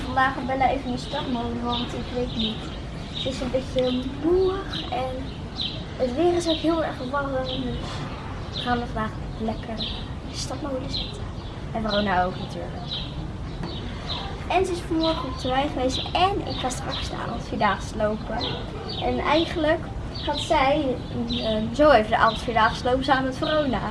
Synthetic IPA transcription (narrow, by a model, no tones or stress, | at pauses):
fɑndaːχəbɛləejvənəstɑtmowdəʋɔntɪkʋejtnit | səɪsənbetəmuəχɛn | ətʋɪːrɪsɛkɦɪlˠɛrχfəʋɑrəndøs | χaːnʋəfɑndaːχəbɪəlɛkʰər | əstɑt̚mowləsɛtə | ɛnfrownaowknaty̰ːɹlək | ʔɛnzəɪsfɔmɔɹχənɔptʰəʋɛjχəʋejstɛnɪ̰kχaːstrɑksdəa̰ːɔtfidaːχəslowpə | ɛnɛjχənlək | hatsɛj | əzowejvədəʔa̰ːɔtfidaːχəslowpəsaːnəətfrownaː